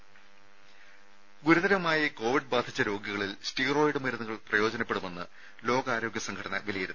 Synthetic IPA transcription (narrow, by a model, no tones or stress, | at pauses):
ɡuɾuðɐɾɐmaːjiko̞ːʋiɖbaːd̪ʱit͡ɕːɐɾo̞ːɡjɐɣɐɭilsʈiːro̞ːjiɽɨmɐɾunɐŋɣɐɭprɐjo̞ːd͡ʑɐnɐpːe̞ɽume̞nːɨ | lo̞ːɡɐaːɾo̞ːɡjɐsɐŋɡkʰɐɽɐnːɐ̰ʋɐlijɐɾunː